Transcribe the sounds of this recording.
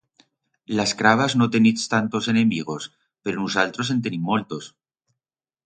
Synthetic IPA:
laskɾaβ̞aznot̪enist̪ant̪o̞se̞nemiɣ̞o̞s | pe̞ɾonusalt̪ɾos̬ent̪enimːolt̪os

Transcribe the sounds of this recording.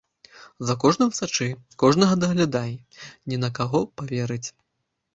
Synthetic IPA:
zɐkɔʐnɐmsat͡ʂɨkɔʐnɐɣɐd̪ɐɣlʲad̪aji | nʲɛnɐkaɣɔpavʲɛɾɨt͡sʲ

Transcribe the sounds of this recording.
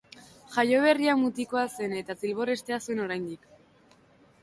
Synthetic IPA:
ʝajo̞βe̞riamut̪iko̞ase̞ne̞t̪at̪ilβo̞ɾe̞st̪e̞asue̞no̞ɾajnd̪ik

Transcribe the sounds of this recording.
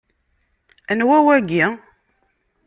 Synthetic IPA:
ənwæwæɡi

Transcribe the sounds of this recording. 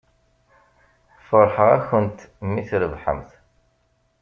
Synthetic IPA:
fəɾˤħəʁæ̰çənt̪mːiθɾəvħə̰mθ

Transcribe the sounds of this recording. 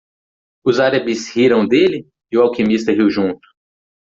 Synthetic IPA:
ʊzaɾɐbɪshiɾɐ̃w̃d̪elɪ | ɪʊawkimist̪ɐɦiwʒũnt̪ʊ̥

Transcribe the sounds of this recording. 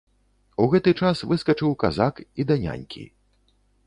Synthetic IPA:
uɣɛt̪ɨt͡ʂasvɨskɐt͡ʂɨwkazakid̪anʲa̰nʲkʲʰḭ

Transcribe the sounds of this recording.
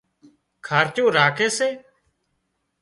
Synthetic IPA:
kʰaːɾt͡ʃõːɾaːkeːseː

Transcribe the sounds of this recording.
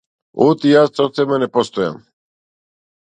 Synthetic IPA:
ut̪ijaːst̪sɔt̪sɛmanɛpɔst̪ɔja̰m

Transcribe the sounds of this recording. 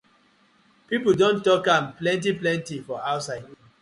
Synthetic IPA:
pipldõntɔkãmplɛ̃nt̬iplɛ̃ntifɔaʊtsaɪd

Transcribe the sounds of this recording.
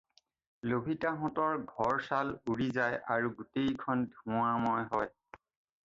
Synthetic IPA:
lobʱitaɦɔ̃tɔɹɡʱɔɹsaluɹizajʔaɹuɡutejkʰɔndʱũamɔjɦɔj

